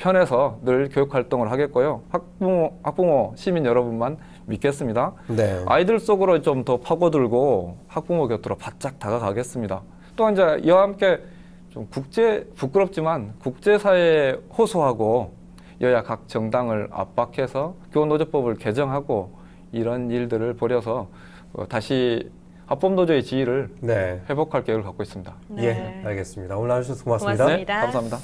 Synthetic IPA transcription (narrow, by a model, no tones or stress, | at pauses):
pʰjʌne̞sʰʌnɯɭkjojukʰwaɭt͈oŋɯɭɦaɡe̞t̚k͈ojohak̚puhak̚p͈oŋʌɕʰiminjʌɾʌbunman | mit̚k͈e̞s͈ɯmɲidana̰idɯɭs͈oɡɯɾot͡ɕomtʌpʰaɡʌduɭɡohak̚p͈uŋoɡjʌtʰɯɾopat̚t͡ɕ͈ak̚t͈aɡakaɡe̞s͈ɯmɲida | t͈oiɲd͡ʑe̞ḭʌhamk͈e̞ | t͡ɕomkuk̚t͡ɕ͈e̞puk͈ɯɾʌp̚t͡ɕ͈imankuk̚t͡ɕ͈e̞sʰaehosʰoɦaɡo | jʌjakak̚t͡ɕ͈ʌŋdaŋɯɾa̰p͈akʰe̞sʰʌkjoonːod͡ʑʌp͈ʌbɯɭke̞d͡ʑʌŋɦaɡo | iɾʌniɭdɯɾɯɭpʌɾjʌsʰʌ | ʌ̰taɕʰi | hap͈ʌmnod͡ʑoe̞t͡ɕiiɾɯɭnehe̞bokʰaɭk͈eɡɯɭkak͈ois͈ɯmɲid̥ajeaɭɡes͈ɯmɲidaonaskmasɲidanekamsʰamɲida